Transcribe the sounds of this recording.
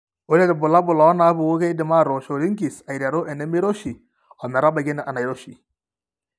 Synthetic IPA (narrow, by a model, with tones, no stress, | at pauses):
o˦le˦dɛ˨bu˨la˦bu˨la˨o˦na˨˦bu˨wo˦ɡe˦i˦di˨ma˦˨ɾo˨ʃo˨ɾi˦ŋki˨sa˨jɾa˨ɾo˦ʔe˨nɛ˦mi˦ɾo˦ʃi˨ | ɔ˨mɛ˨ɾa˦ba˨ɡi˦nɛ˨ʔa˨na˨jɾo˦ʃi˨